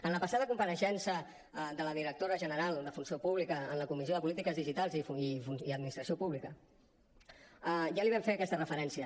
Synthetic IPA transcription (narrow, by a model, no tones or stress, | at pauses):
ənləpəsaðəkumpəɾəʃɛnsə | ðələðiɾək̚t̪oɾəʒənəɾalˠd̪əfunsiopuβlikəənləkumizjoðəpulit̪ikəzðiʒit̪alˠzifiuniəd̪minist̪ɾəsiopuβlikə | aʒaliβ̞ɛɱfeəkɛst̪ərəfəɾɛnsiə